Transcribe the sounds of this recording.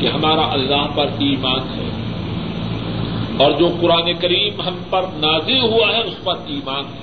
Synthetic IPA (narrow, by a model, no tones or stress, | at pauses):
keɦɐmaːɾaʔɐlːaːɦpɐɾiːmaːnɦɛ̰ː | ɔːɾd͡ʒoːqʊɾaːnekɐɾiːmɦɐmpɐɾnaːzɪlɦuaɦɛʊspɐɾiːmaːnɦɛ